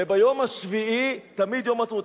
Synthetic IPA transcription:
ebajomaʃviit̪amid̪jomat͡smut̪

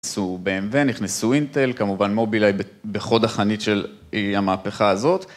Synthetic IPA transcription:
subeemveniχnisuint̪e̞lkamuvanmo̞bilajbe | beχo̞daχanitʃe̞l | iamaːpeχaazo̞t̪

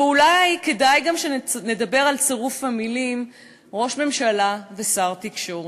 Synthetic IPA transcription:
ulajke̞dajɡamʃene̞d̪abe̞ʁalt͡seʁufhamilim | ʁo̞ʃme̞mʃalave̞saʁt̪ikʃoʁ

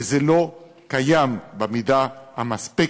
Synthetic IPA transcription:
zelo̞ | kajambemidahamaspi

